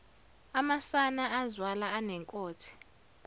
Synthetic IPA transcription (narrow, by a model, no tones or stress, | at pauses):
amasanaːzwalaːnɛŋkʼoːtʰi̥